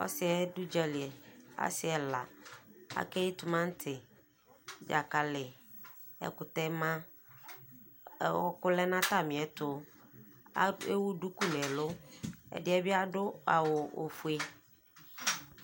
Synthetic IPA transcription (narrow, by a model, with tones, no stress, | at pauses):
ɔ̰˦sɪ˨ɛ˦du˦d͡ʒa˦lɪ˨e˨a̰˦sɪ˨ɛ˨la˨a̰˦kɛ˦jɪ˦tʊ˨mã˦n̩˦tʰɪ˨ | d͡ʒa̰˨ka˨lɪ˨ | ɛ̰˨kʊ˨t̪ɛ˦mã˦˨ | kʊ˦lɛ˦nã˦ta˦˨mɪ̃˨ɛ˨tʊ˨˦ | e˦wu˦du˦ku˦nɛ̃˨lʊ˦ɛ̰˨dɪ˦ɛ˦bɪ˦a˦dʊ˦a˨wʊ˨o̰˨fu˦e˦